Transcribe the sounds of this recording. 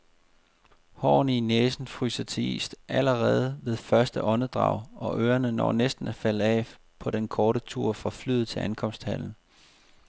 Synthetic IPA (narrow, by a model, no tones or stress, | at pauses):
hɒ̰ːnineːsn̩fʁy̰ːsɐt͡sʰe̝ḭːsd̥ʔæləʁɛːð̞ˠʋe̝ð̞ˠfɶɐsd̥əʔɒ̽nəd̥ʁɑ̈ʊ̰ʔɒ̽ʔøːɐnənɒ̰ːnesd̥n̩æfæləɛ̰ː | pʰɒ̽ɾ̥enkʰɒːɾət͡sʰuɐ̰fʁɑ̈fly̰ːð̩ˠt͡sʰe̝ænkʰɒ̽m̰sd̥hæl̰n̩